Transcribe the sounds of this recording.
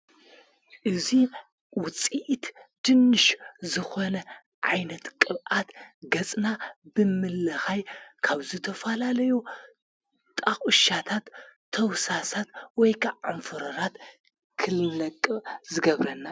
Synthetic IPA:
ʔɨzi | wʊt͡sʼiʔt̪d̪̥ɨnːɨʃzɨxo̞nɐ | ʕa̰jnɐt̪kʼɨβʔat̪ɡɐt͡sʼnabɨmɨlːɐxajkʰaβzɨt̪ʰɐfɐlalɐju | t̪ʼaxʼɨʃat̪ʰat̪ʰː | ɐwsasat̪wɔjkʰaʕanfɨɾɐɾat̪ | kʰɨlnɐkʼːɨzɨɡɐβɾɐnːa

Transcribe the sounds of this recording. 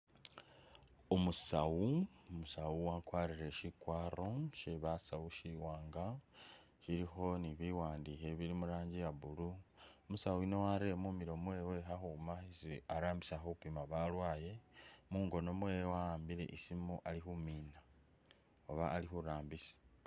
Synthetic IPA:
omusawuomusawuwakwaːɾiɾe̞ʃikwaːɾo̞ʃeβasawuʃiwaːŋɡa | ʃiɾixo̞niβiwaːndihe̞βiɾimuɾaːɲɟijaβuluomusawuino̞waɾiemumiɾo̞mwe̞we̞ɦaxumaisiaɾaːmbisaxoupimaβalwaːje̞muːŋɡo̞no̞mwejwahaːmbiɾe̞̰ʔisimuʔalixumiːna | oβaːlixuɾaːmbisi̥

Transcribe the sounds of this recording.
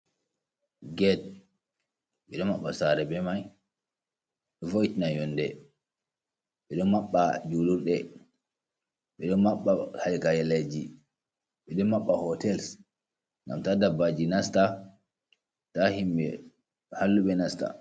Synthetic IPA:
ɡɛt̚ | ɓɛɗɔmːaɓːasaɾɛbɛmaj | ɗɔfoitinajɔndɛ | ɓɛɗɔnmaɓːad͡ʒuluɾɗɛ | ɓɛɗɔnmaɓːahalikajɛled͡ʒi | ɓɛɗɔmaɓːahɔtɛls | ŋɡa̰mtadabad͡ʒinasta | tahimɓɛ | halːuɓɛnasta̰

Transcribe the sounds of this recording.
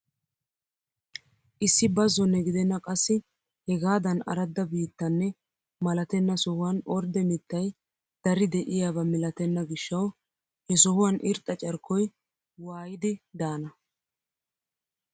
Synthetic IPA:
ʔɪsːɪbɐzːɔnːɛɡɪd̪ɛnːɐkʼɐsːɪ | hɛɡaːd̪ɐnɐ̰ɾɐd̪ːɐbiːt̪ːɐnːɛ | mɐlɐt̪ɛnːɐsɔhʊwɐnʔɔɾd̪ɛmɪt̪ːɐj | d̪̥ɐɾɪd̪ɛʔɪjaːbɐmɪlɐt̪ɛnːɐɡɪʃːɐw | hɛsɔhʊwɐnʔɪɾt̪ʼːɐt͡ʃʼɐɾkːɔj | waːjɪd̪ɪd̪aːnɐ

